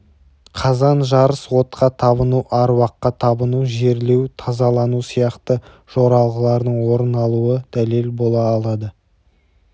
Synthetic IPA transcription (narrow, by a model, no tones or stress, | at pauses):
qʰɑzɑnʒɑɾəswo̞t̪qɑt̪ʰɑβənuʔɑɾwɑqːɑt̪ʰɑbənuʒe̞ɾle̞wt̪ʰɑzɑlˠɑnusijɑqt̪ə | ʒ̥o̞ɾɑlˠʁəlˠɑɾd̪əɴwo̞ɾənɑlˠuəd̪̥æle̞lbo̞lˠɑːlˠɑd̪ə